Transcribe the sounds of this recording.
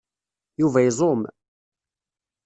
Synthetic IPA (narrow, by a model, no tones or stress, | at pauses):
juvæjzˤom